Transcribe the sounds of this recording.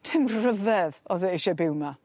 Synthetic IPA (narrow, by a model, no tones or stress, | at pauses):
tʰɪmrəðɛðɔðɛɪʃɛbɪwma